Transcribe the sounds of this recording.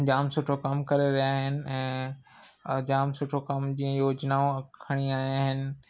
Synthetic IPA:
d͡ʑaːmsʊʈʰokɐmkɐɾeɾɐjaɦɪnɪ̆ɛ̃ː | d͡ʑaːmsʊʈʰokɐmd͡ʑĩːə̃joːd͡ʑnaoɐkʰɐɽ̃iaːjaːɦɪnɪ̆

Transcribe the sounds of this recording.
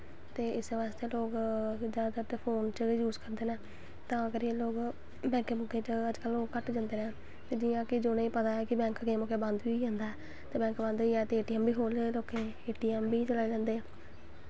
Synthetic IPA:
t̪eːɪseːʋaːst̪eːloːɡd͡ʒad̪ət̪eːpʰoːnt͡ʃjuːzkəɾd̪eːnɛ̃ː | t̪ãːəɡəɾeːloːɡ | bɛ̃ːŋkeːmʊkẽːt͡ʃəəd͡ʒkəlːoːɡkəʈd͡ʒãːnd̪eːɾɛː | t̪eːd͡ʒiːjãːkɪd͡ʒoːnẽĩːpət̪aːɛːkɪbɛ̃ːŋkkemʊkeːbənd̪ʋiːd͡ʒɛ̃ːnd̪aːɛː | t̪eːbɛ̃ːŋkbə̃nd̪ʋiːɛːt̪eːeːʈiːɛːmbiːɦoːleloːkẽː | eːʈiːɛːmbiːt͡ʃəlaːid͡ʒãːnd̪eːɛ̃ː

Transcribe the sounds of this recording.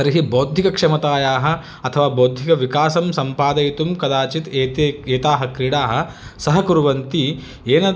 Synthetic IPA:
ɐɾɦiboːd̪ʱikɐkʂɐmɐt̪aːjaːɦɐ̆ | ɐt̪ʰɐʋaːboːd̪ʱikɐʋikaːsɐmsɐmpaːd̪ɐjt̪umkɐd̪aːt͡ʃit̪eːt̪eeːt̪aːɦɐkɾiɽaːɦɐ̆ | sɐɦɐkuɾʋɐnt̪i | eːnɐ

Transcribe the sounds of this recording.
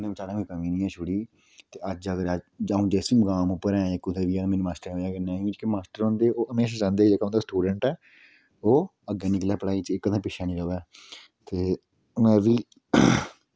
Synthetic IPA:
nẽːt͡ʃaːɽãːkĩːkəmĩːnĩːɛːʃʰʊɽiː | t̪eːəd͡ʒəɡəɾd͡ʒaũːd͡ʒɛːsiːməɡaːmʊpːəɾɛ̃ːekːʊd̪eːʋiːaːmenuːmaːsʈəɾaːɡənãːĩɪt͡ʃkimaːsʈəɾõːnd̪eːʔoːʔəmeːʃaːd͡ʒãːnd̪eːd͡ʒeːkaɦõːnd̪aːsʈuːɖəɳʈɛː | oː | əɡeːniklɛːpəɽaːiːt͡ʃɪkːəd̪ʰãːpɪʃʰaːnĩːɾəʋɛː | t̪eː | mɛ̃ːʋiː

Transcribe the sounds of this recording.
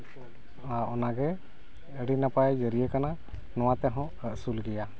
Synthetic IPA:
aʔɔnaɡɛ | əɽinapajd͡ʒəɾijɛkana | nɔwat̪ɛɦɔ̃ | əʔsulɡɛja

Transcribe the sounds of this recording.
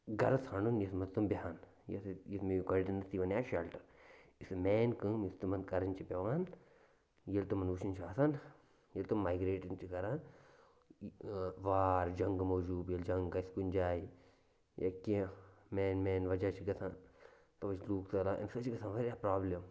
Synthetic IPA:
ɡɐɾɐsɐɳunjɐsmɐnt̪umbʲɐɦaːn | jɐ̰sjismejuɡɐɾɖinːɐsiːʋɐnjaːʃɐlʈɐɾisɨmeːnkɨmjist̪umɐnkɐɾɐnʲt͡ʃʰipʲɐʋaːn | jɐlt̪umɐnut͡ʃʰinʲt͡ʃʰaːsʰan | jɐlt̪umːaːjɡɾeːʈɐnt͡ʃiɡɐɾaːn | ʋaːɾd͡ʒɐŋɡmoːd͡ʒuːbjɐld͡ʒɐŋɡɐiskunʲd͡ʒaːi | jɐ̰kimeːnmeːnʋɐd͡ʒaːt͡ʃʰiɡɐt̪ʰaːn | t̪ɐʋɐt͡ʃʰluːkt̪ɐlaːʔɐ̰nsɐt͡ʃiɡɐsʰaːnʋɐɾʲjaːpɾaːblɐm

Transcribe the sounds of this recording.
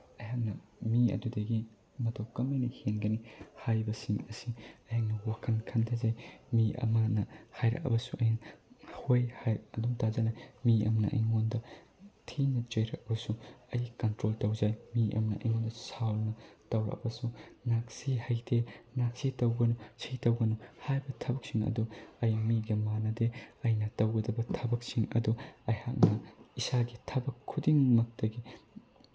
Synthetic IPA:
ɐjaŋnɐmiɐ̰dudɐɡi | mɐtʰɐwkɐmɐjnɐhenɡɐnihajbɐsiŋɐsiɐjaŋnɐwakʰɐnkʰɐntʰazajmiɐ̰mɐnɐhajɾɐ̰kɐ̰bɐsuʔɐjaŋhojhajɐdumtʰazɐnɐmiɐ̰mnɐ̰ʔɐ̰jŋondɐ | tʰinɐt͡ʃojɾɐ̰k̚ɐbɐsuɐjkɐntɾoltɐwd͡ʒajmiʔɐ̰mnɐʔɐ̰jŋondɐsawlnɐtɐwɾɐ̰kɐ̰bɐsunak̚sihɐjtʰenak̚sitɐwɡɐnusitɐwɡɐnuhajbɐtʰɐbɐk̚siŋɐ̰duɐjmiɡimanɐdeɐjnɐtɐwɡɐdɐbɐtʰɐbɐk̚siŋɐ̰duɐjhak̚nɐisaɡitʰɐbɐkʰːudiŋmɐk̚tɐɡi

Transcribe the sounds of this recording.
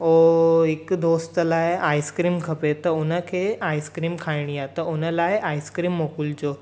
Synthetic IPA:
oekd̪ost̪əlaɦeʔajskɾiːmkʰəpet̪əonəkʰeajskɾiːmkʰajɳijat̪əonəlaɦeʔajskɾiːmːokuːld͡zo

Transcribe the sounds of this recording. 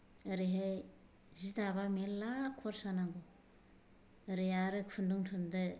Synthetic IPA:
ɯɾiɦaj | zidaβamelːakʰɔɾsanaŋɡo | ɾijaɾɯkʰunduŋtʰundɯ

